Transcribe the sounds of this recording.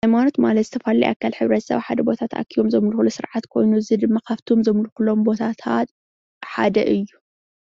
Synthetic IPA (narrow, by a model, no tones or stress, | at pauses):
ajmano̞t̪malɐt̪z̥ɨ̥t̪ʰɐfalijʔa̰kʰːalħɨβɾɐt̪sɐ̰βħad̪ɐbo̞t̪ʰat̪a̰kʰːijomzɐmlxulusɨɾʕat̪kʰo̞̰jnuɨzid̪ɨmːakʰaβt̪ʰo̞mzɐmlxulo̞mbo̞t̪ʰat̪ʰat̪ | ħa̰d̪ɐ̰ʔɨjːu